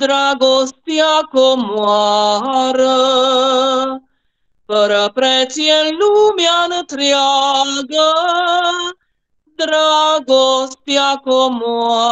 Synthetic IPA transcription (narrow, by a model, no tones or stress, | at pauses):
d̪ɾaːɡoːst̪jakomuaɦaɾɐ | pɐɾɐpɾɛt͡ʃijelumjant̪ɾijaɡə | d̪ɾaɡost̪jaːkomua